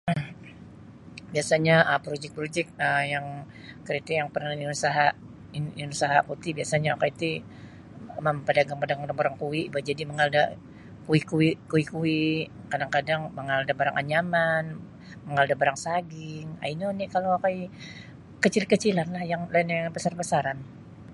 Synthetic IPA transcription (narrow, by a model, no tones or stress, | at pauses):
biasaɲaʔəpɾod͡ʒɛk̚pɾod͡ʒɛk̚əjaŋ | kəɾit̪ɪjaŋpərnaininusaɦaʔ | ininusaɦaput̪ɪhbiasaɲaakait̪i | məmpadaɡaŋpadaɡadaŋbaɾaŋkuwiʔbad͡ʒadiməŋalda | kuikuikuikui | kadaŋkadaŋməŋaldabaɾa̰ŋʔa̰ɲaman | məŋaldabaɾaŋsaɡɪŋa̰inonikaloakaj | kət͡ʃilkət͡ʃilanlahjaŋlainaŋapasarbasaɾan